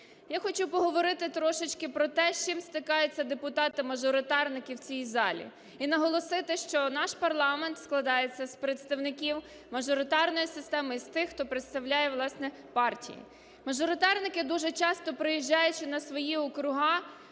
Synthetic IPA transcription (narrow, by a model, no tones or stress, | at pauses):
jaxɔt͡ʃupɔɦɔʋɔɾɪt̪ɪt̪ɾɔʃɪt͡ʃʲkɪpɾɔt̪ɛʃt͡ʃɪmst̪ɪkɑjʊt͡sʲːɐd̪epʊt̪ɑt̪ɪmɐʒɔɾɪt̪ɑrnɪkɪwt͡sʲijizɑlʲḭ | inɐɦɔlˠɔsɪt̪ɪʃt͡ʃɔnɑʃpɐrlˠɑment̪sklˠɐd̪ɑjet͡sʲːɐspɾet̪st̪ɐwnɪkʲiw | mɐʒɔɾɪt̪ɑrnɔjisɪst̪ɛmɪist̪ɪxːt̪ɔpɾet̪st̪ɐwlʲajɛʋlˠɑsnɛ | pɑrtʲḭjḭ | mɐʒɔɾɪt̪ɑrnɪkɪd̪uʒɛt͡ʃɑst̪ɔpɾɪjiʒːɑjʊt͡ʃɪnɐsʋɔjiɔkɾʊɦɑ